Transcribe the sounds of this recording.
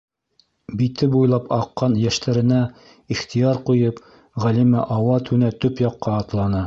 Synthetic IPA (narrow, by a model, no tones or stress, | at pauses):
bit̪ɘbujlˠɑpɑqːɑnjæʃt̪æɾɘ̆næ | iχt̪ʰijɑɾqujɤp | ʁælimæ̰ʔɑwɑt̪ʰʉnæt̪ɵpjɑqːɑːt̪lˠɑnɤ